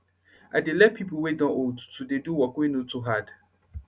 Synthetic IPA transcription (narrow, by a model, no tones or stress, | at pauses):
adelɛt̚pʰipowedɔ̃ʔotu̥tʰudeduwɔkʊenõtʰuɦad